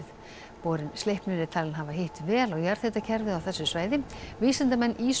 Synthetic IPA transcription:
ð | poːɾɪnslejhpnʏnɪt̪ʰaːlɪnɦavaɦɪht̪vɛːlawjaɾ̥θɛht̪acʰɛɾvɪðawθɛsːʏsvaːjðɪviːsant̪amɛnːiːs

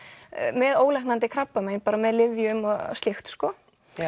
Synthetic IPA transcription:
mɛðoːwɣlahknant̪ɪkʰɾapːamejnpaːɾamɛðlɪvjʏmɔ̰sɪxt̪skɔ

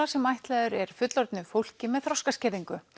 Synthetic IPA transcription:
asɛmajht̪lɛːðʏɾɛɾ̥fʏt̪lɔɾt̪nɪfowl̥cɪmɛðθɾɔwskascɛːðiŋkʏ

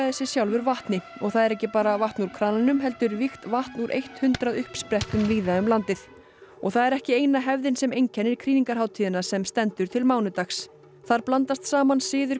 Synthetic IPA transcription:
ðɛsːɪsjawlvʏɾvaht̪nɪɔɣθaðɛɾɛhcɪpaːɾavaht̪nuɾ̥kʰɾaːnanʏmɦɛl̪t̪ʏɾvixt̪vaht̪nuɾʔḛjht̪hʏnt̪ɾaðʏhpspɾɛht̪ʏmviːðaʏmlant̪ɪθ | ɔɣθaðɛɾɛhcɪeːjnaɦɛvðɪnsɛmejɲcʰɛnːɪɾ̥kʰɾiːniŋkaɾ̥ɦaːwt̪ʰiːðɪnasɛmst̪ɛnt̪ʏɾ̥t̪ʰɪlmaːwnʏt̪axs | θaɾplant̪ast̪saːmansɪːðʏɾ̥

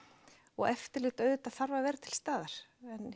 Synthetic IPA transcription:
ɔɣɛft̪ɪɾlɪːt̪œɥðʏt̪aθaɾvavɛːɾɪt̪ʰɪlst̪aːðaɾ̥ɛn

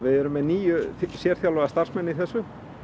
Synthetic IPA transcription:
vɪðɛɾʏmːɛðniːjʏsjɛːɾ̥θjalɔɣast̪arsmɛnːɪiθɛsːʏ

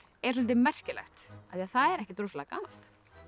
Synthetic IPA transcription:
ɛ̥s̬ɔlt̪̬ɪmɛr̥cɪlɛ̰xt̪aθiaθaðɛɾɛhcɪt̪ɾowslaka̰ːnal̥t̪

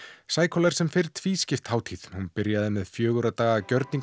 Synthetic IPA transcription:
saːjkʰɔlaɾ̥sɛmfɪɾ̥t̪ʰviːscɪft̪haːwt̪ʰið̥hunpɪɾjaðɛnːɪðfjœːɣʏɾaðt̪aːɣacœɾt̪niŋ

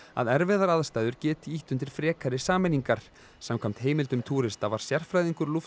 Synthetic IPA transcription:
a̰ðɛɾvɛðaɾaðst̪aːjðʏɾ̥cɛːt̪ɪiht̪ʏnt̪̬ɪɾ̥fɾɛːkʰaɾɪsaːmɛniŋkaɾ̥ | samkʰam̥t̪heːjmɪlt̪ʏmt̪ʰuːɾɪst̪avaɾ̥sjɛr̥fɾajðiŋkʏɾluf

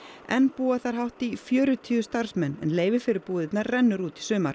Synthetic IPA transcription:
ɛ̰npuːaθaɾ̥ɦawht̪ifjœːɾʏt̪ʰiːʏst̪aɾ̥smɛnːɛ̰nleːjvɪfɪɾɪɾpuːðɪt̪naɾrɛnːʏɾuːt̪i̥sʏːmaɾ̥

